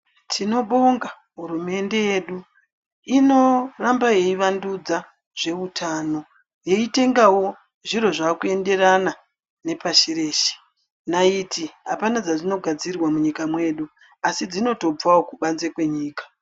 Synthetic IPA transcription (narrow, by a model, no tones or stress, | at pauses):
tʰino̞ɓo̞ŋɡa | ɦuɾume̞nde̞je̞ɗu | ino̞rambaje̞iʋandud͡za | ʐ̥e̞utʰaːno̞ | je̞ite̞ŋɡawo̞ | ʐiro̞ʐakue̞nde̞rana | ne̞paʃiɾe̞ːʃe̥ | naitiɦapanad͡zaʐino̞ɡʱad͡zirwamuɲikamwe̞ːɗu | asid͡zino̞to̞b͡vawokuɓanzekwe̞ɲiːkḁ